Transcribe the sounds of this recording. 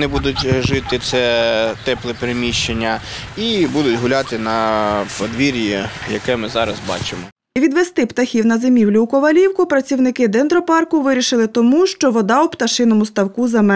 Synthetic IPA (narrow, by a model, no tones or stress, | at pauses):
nɪbud̪ʊtʲʒɪt̪ɪt̪sɛt̪ɛplˠɛpeɾemʲiʃt͡ʃenʲːɐ | ibud̪ʊtʲɦʊlʲɑt̪ɪnɐpɔd̪ʋʲiɾʲjɛjɐ̰kɛmɪzɑɾɐzbɑ̰t͡ʃɪmɔ | ʋʲid̪ʋest̪ɪpt̪ɐxʲiwnɐzemʲiwlʲʊːkɔʋɐlʲiwkʊpɾɐt͡sʲiwnɪkɪd̪ɛnd̪ɾɔpɑrkʊʋɪɾʲiʃɪlˠɪt̪ɔmuʃt͡ʃɔʋɔd̪ɑupt̪ɐʃɪnɔmʊst̪ɐwkuzɐmɛ